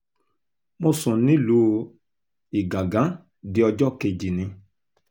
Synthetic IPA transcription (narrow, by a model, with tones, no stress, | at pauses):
mõ˧˦sɔ̃˨nĩ˦lu˧˦ | i˨ɡã˨ɡã˨˦ | di˧˦ɔ˧d͡ʒɔ˦˨ke˧d͡ʒi˨nĩ˧